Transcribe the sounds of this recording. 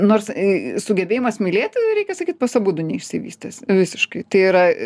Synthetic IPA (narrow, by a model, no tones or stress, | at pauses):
noːrssʊɡʲɛbʲeːjɪmɐsmʲɪlʲeːt̪ʲɾʲɛɪkʲɛsɐkʲiːt̪̚pɐsɐbuːd̪ʊnʲɛɪʃʲsʲɪʋʲiːsʲt̪ʲeːsʋʲɪsʲɪʃkɐɪt̪ɐɪiɾɐ